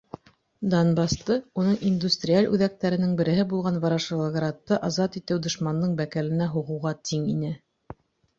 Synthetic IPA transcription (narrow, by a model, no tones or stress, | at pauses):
d̪onbɑst̪ɤunɤɴind̪usʲt̪rʲialʲʉ̰ðæk̚t̪æɾɘ̆nɘŋbɘ̆ɾɘ̆ɦɘbulˠʁɑnvɑɾɑʃɤlˠɑɡɾat̪ːɤʔɑzɑt̪it̪ɘwd̪ŏʃmɑnd̪ɤɴbækælɘ̆næɦuʁɤ̆wʁɑt̪ʰiŋinɘ